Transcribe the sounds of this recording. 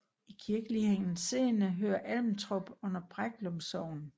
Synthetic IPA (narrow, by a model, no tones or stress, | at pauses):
ikʰiɐɡ̥əliheŋ̰n̩se̝̰ːnəɦø̰ːɐʔælmnt͡sʰʁɔb̥ɔ̽n̰ɐb̥ʁaɡ̥lɔmsɒʊ̰n̩